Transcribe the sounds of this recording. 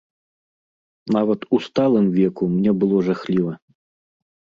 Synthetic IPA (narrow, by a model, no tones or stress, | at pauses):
navɐt̪ust̪alˠɨmvʲɛkumnʲɛbɨlˠɔʐaxlʲivɐ